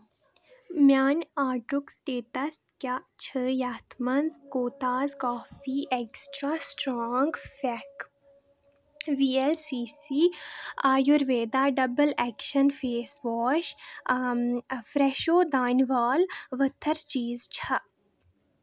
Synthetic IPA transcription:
mʲaːnʲaːɖɾuksʈeːʈɐskʲat͡ʃʰəjat̪ʰmɐnzkoːt̪aːzkɔːfiːʔeksʈɾaːsʈɾɔːŋɡfɛk | ʋiːelsiːsiːaːjuɾʋeːd̪aːɖɐbəlɛkʃɐnfeːsʋɔːʃ | fɾeʃoːd̪aːnʋaːlʋət̪ʰɐɾt͡ʃiːzt͡ʃʰɐ

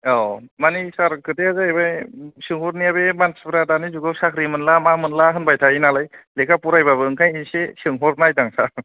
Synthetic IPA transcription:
awmanisaɾkʰɯteazajbajsɯŋhɔɾnijabebansbɾadanizuɡɯwsakʰɾimɯnlamamɯnlaɦɯnbajtʰainalajlekʰapuɾajbaβɯɯŋkʰajinsesɯŋɦɔɾnajdaŋsa

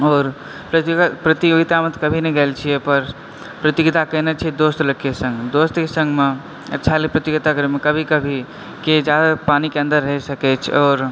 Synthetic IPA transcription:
ɔːɾ | pɾət̪pɾət̪iɡit̪amət̪kəbʱinɛɡelt͡ʃʰijɛpəɾ | pɾət̪iɡt̪akəɦnet͡ʃʰid̪ost̪ləkːesə̃ŋɡd̪ost̪kesə̃ŋɡme | ətːʃʰalipɾət̪iɡt̪akəɾmekəbʱikəbʱi | ked͡ʒjad̪apanikeə̃nd̪əɾːəɦɛsəkɛt͡ʃʰɔːɾ

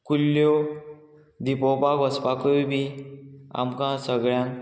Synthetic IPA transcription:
kulːjo | d̪ipɔpaɡɔspakobi | a̰mkãsəɡɭjãn

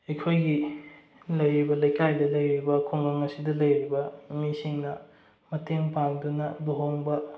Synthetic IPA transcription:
ɐjkʰojɡi | lɐjɾibɐlɐjkajdɐlɐjɾibɐkʰoŋlɐŋɐsidɐlɐjɾibɐmisiŋnɐ | mɐtʰeŋpaŋdunɐloɦoŋbɐ

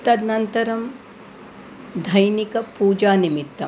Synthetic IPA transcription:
t̪ɐd̪nɐnt̪ɐɾɐm | d̪ʱɐjnikɐpuːd͡ʒaːnimit̪ːɐ

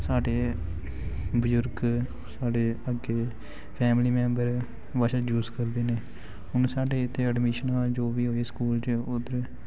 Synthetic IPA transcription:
saːɖeː | bəzʊɾɡ | saːɖeːəɡeː | pʰɛːmliːmɛ̃ːmbəɾ | ʋəʃad͡ʒuːzkəɾd̪eːneː | ɦʊnsaːɖeːɪt̪ʰːeːəɖmiːʃənaːld͡ʒoːʋiːɦoːeːskuːlt͡ʃʊd̪əɾ

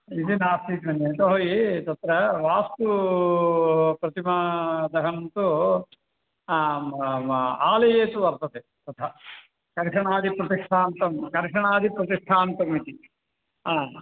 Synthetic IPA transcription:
id̪inaːst̪iːt̪mɐneːt̪ɐɦoːjit̪ɐt̪ɾɐʋaːst̪u | pɾɐt̪imɐd̪ɐɦɐnt̪u | aːlɐjeːt̪uʋɐɾt̪ɐt̪e | t̪ɐt̪ʰɐ | kɐɾʂɐɳaːd̪ʱipɾɐt̪iʂʈʰaːnt̪ɐmkɐɾʂɐɳaːd̪ʱipɾɐt̪iʂʈʰaːnt̪ɐmit̪i | aː

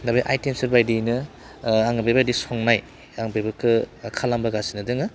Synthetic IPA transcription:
dabijʔajtemsɯɾbajdinɯ | aŋɯbebadisɔŋnaj | aŋbejbɯkʰɯkʰalambaɡasinɯdɯŋɯ

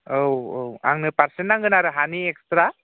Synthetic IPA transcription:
owowa̰ŋnɯpaɾsɛnːaŋɡɯnaɾɯɦaniekstɾa

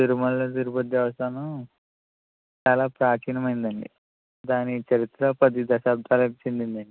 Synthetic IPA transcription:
d̪uɾumɐlːɐd̪uɾupɐd̪jaʋɐst̪ʰaːnɐ | t͡ʃaːlaːpɾaːt͡ʃʰiːnɐmɐjind̪ɐɳɖḭ | d̪aːnit͡ʃɐɾit̪ɾɐpɐd̪id̪ɐɕaːb̚d̪ʰʱaːlɐt͡ʃind̪ind̪ɐɳɖi

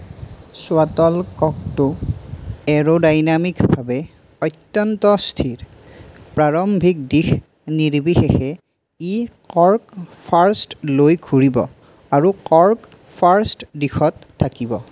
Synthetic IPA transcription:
sʊatɔlkɔk̚tʊ | ɛɹodajnamikbʱabɛ | ɔjtːjɔntɔstʰiɹ | pɹaɹɔmbʱik̚dix | niɹbixexɛ | ikɔɹkpʰaɹstlojɡʰʱuɹibɔ̰ | aɹukɔɹk | pʰaɹstdixɔtʰːakibɔ

